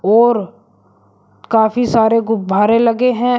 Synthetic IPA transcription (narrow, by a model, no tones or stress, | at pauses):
ɔːɾ | kaːfisaːɾeɡʊbʱaːɾelɐɡeɦɛ̃